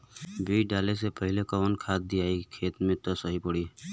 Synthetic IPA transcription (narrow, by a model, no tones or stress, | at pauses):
biːɖaːlesepəɦɪlekɔnkʰaːt̪̚d̪iaːikʰeːt̪mẽt̪osəɦipəɽiː